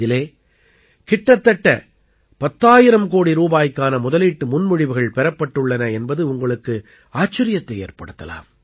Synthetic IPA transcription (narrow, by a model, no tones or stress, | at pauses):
ɪleː | kɪʈːɐt̪ːɐʈːɐ | pɐt̪ːaːjɪɾɐmkoːɽiɾuːbaːjkːaːnɐmʊðɐliːʈːɯmʊnmʊɻɪʋɯɣɐɭpɛɾɐpːɐʈːɯɭːɐnɐɛnbɐðɯʊŋɡɐɭɯkːɯ | aːt͡ʃːɐɾɪjɐt̪ːɐḛːɾpɐɽɯt̪ːɐ̰la̰ːm